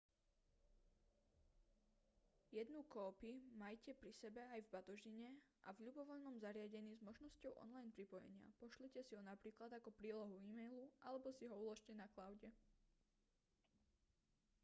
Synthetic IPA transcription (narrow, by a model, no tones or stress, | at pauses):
jɛd̪nukɔːpimajcɛpɾisɛbɛajvbat̪ɔʒiɲɛʔa̰vʎubɔʋɔʎnɔmzaɾɪaɟɛniːzmɔʒnɔscɔʊʔɔ̰nlajnpɾipɔjɛ̰ɲɪa̰pɔʃlicɛsiɦɔnapɾiːklad̪akɔpɾiːlɔɦuiːmɛjluʔalɛbɔsiɦɔulɔʃcɛnaklaʊɟɛ